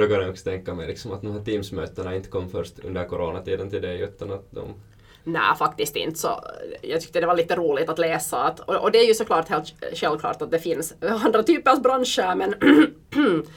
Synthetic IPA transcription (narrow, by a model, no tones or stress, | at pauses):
d̪ɛkanəɔksɔ̥t̪ʰɛŋkːamɛjlɪksɔmat̪̚d̪ɔmhæːʈiːmsmø̰ːt̪ənaɪnt̪ə̥kʰɔmːfœɾʂt̪ɵ̰nd̪əɾkʰɔɾoːnat̪ʰiːd̪ənt̪ɪld̪ɛʉ̟ːt̪anat̪̚d̪ɔ̰m | næ̰ːfakt̪ɪst̪ɪ̰nt̪sɔ̰jɑ̰ːɡt̪ʏ̥k̚t̪əd̪ɛvaɭiːt̪əɾuːlɪɡt̪at̪leːsaːt̪ɔɔd̪ɛæɾjɵsɔkʰlɑːʈheːlt̪ʃʂɛlvkʰlɑ̰ːʈat̪̚d̪ɛfɪnsand̪ɾat̪ʰyːpəɾavbɾanʂəɾmɛn